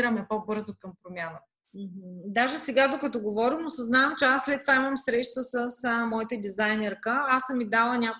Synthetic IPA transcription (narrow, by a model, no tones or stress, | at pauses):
ɾəmɛpobɤɾzokəmpɾomʲjanə | m̩ɦ̩d̪aʒɛsɛɡad̪okɐt̪ɔɡovɔɾimosɐznaɐmt͡ʃɛasːlɛt̪t̪ːovaiməmsɾɛʃt̪əsəsmɔit̪əd̪izajnɛɾkəasəmːid̪alˠənʲak